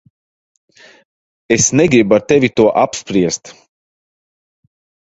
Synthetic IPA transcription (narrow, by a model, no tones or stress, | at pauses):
esnɛɡɾibaɾt̪evʲit̪uɔʔapspɾiɛst̪